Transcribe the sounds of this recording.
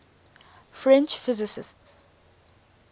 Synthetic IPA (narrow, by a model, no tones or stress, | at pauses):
fɹɛ̃nt͡ʃfizɪsɪ̰sts